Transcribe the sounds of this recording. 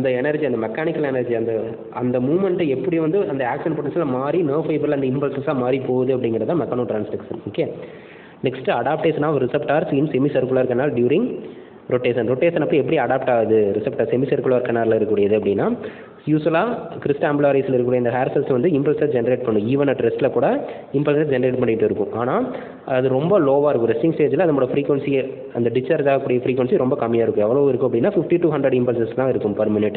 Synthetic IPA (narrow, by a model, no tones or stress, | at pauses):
ɐnd̪ɐɛnɐɾd͡ʒiɐnd̪ɐmɛkːaːnɪkːɐlɛnɐɾd͡ʒiɐnd̪ɐ | ɐnd̪ɐmuːmɐɳʈɛpːɐɽij̃ʋɐnd̪ɯʔɐnd̪ɐaːksɐnpoːʈːɐsɐlmaːɾinoːfɐɪbɾɪlɐnd̪ɐɪmpɐlsɐsaːmaːɾipoːʋɐðɯɐpːɐɽɪŋɡɪɾɐt̪ãːmɛkːaːnoːʈɾaːnsʈɐksɐnoːkːeː | nɛksʈɐɽaːp̚ʈeːsnaːɾɪsɐpʈaːɾsɪnsɛmisɐɾkɯlaːɾkːɐnːaːlɖjuːɾɪŋɡ | ɾoʈːeːsɐnɾɔʈːeːsɐnɐpːɐɛpːɐɽiɐɽaːp̚ʈaːʋɐðɯɾɪsɐpʈaːɾsɛmisɐɾkʊɭaːɾkːɐɳːaːɾlɪɾɯkːuːɽɪjɐðɯɐpːɐɽɪnːãː | juːsʋɐlaːkɪɾɪsʈamblaːɾislɪɾɯkːuːɽɐɪnd̪ɐɦaːɾsɐlsʋɐnd̪ɯɪmpɐlsɐsd͡ʒɛnɐɾeːʈ̚pɐɳːɯ̃iːʋɐnɐʈɾɛsʈɪlɐkuːɽɐ | ɪmpɐlsɛsd͡ʒɛnɐɾeːʈ̚pɐɳːɪʈːɯɪɾɯkːʊ̰̃ʔaːnaː | ɐɐðɯɾɔmbɐloːʋaːɪɾɯkːʊ̃ɾɛsʈɪŋsʈeːd͡ʒɪlɐɐðɐɐmːoːɽɐfɾiːkʋɐɳsi | ɐ̰nd̪ɐɖɪt͡ʃːɐɾd͡ʒaːɣɐkːɽɪjɐfɾiːkʋɐnsiɾɔmbɐkɐmːɪjaːɪɾɯkːɯ̃ɛʋːɐɭoːɪɾɯkːʊ̃ɐp̬ːɐɽɪnːaːfɪfʈiʈuːɦɐ̃ɳdɾɐɽɪmpɐlsɐst̪ãːɪɾɯkːɯ̃mpɐɾmɪnɪʈː